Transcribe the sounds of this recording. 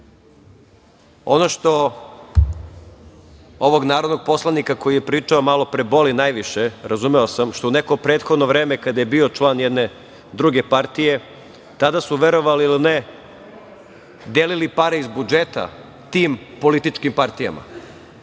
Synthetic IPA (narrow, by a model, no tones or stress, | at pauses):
o̞̰no̞ʃt̪o̞ | oʋo̞ɡnaːɾod̪no̞ɡ̚po̞slˠanikako̞jije̞pɾiːt͡ʂaomalˠo̞pɾebo̞linajʋiʃeɾazumeosamʃt̪ouneko̞pɾeːt̪xod̪no̞ʋɾe̞ːmekad̪ajebio̞t͡ʃlˠaːnjed̪ne̞ | d̪ɾuɡe̞paɾt̪ije̞ | t̪ad̪asuʋeɾoʋaliiline | d̪elilipaɾeizbud͡ʒet̪a̰ | t̪iːmpo̞lit̪it͡ʃkimpaɾt̪ija̰ma̰